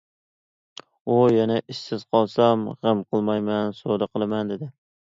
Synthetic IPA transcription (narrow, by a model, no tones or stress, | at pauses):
ʊjanaʔɪʃːɪz̥qʰɒlˠsamʁɨmqʰɨlˠmajmansod̪aqʰɨlˠamand̪ed̪ɪ